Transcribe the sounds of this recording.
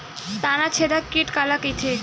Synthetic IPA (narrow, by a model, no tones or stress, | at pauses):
st̪anat͡ɕʰed̪akːiʈkalakit̪ʰe